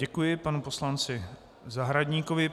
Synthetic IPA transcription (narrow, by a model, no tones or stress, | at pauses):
ɛkujɪpanupo̞slant͡sɪ | zaɦɾadɲiːkovɪ